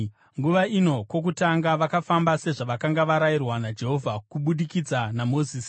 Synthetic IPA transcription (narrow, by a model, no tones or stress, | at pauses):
ŋɡuʋaino̞kwo̞k̬utaŋɡaʋakafambase̞ʐaʋakaŋɡaʋaɾajirwanad͡ʒe̞ɦo̞vʱakuɓuɗikid͡zanamo̞ziːsi